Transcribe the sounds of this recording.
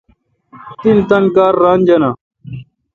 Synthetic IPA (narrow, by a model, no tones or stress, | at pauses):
t̪int̪ɐnkaːɾːaːnʲd͡ʑɐnaː